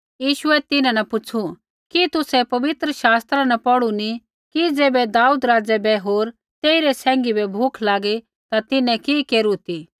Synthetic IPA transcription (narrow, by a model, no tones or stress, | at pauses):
jiːʃʊɛt̪ɪnãnɐpʊt͡ʃʰu | kit̪ʊsɛpɐʋɪt̪ɾəʃaːst̪ɾanɐpɔɽuni | kid͡zeːbɛd̪aːuːd̪ɾaːd͡zɛbɛɦoːɾ | t̪eːiɾɛsɛ̃ːŋɡibɛbʱʊkʰlaːɡi | t̪at̪ɪnɛ̃kikeːɾut̪i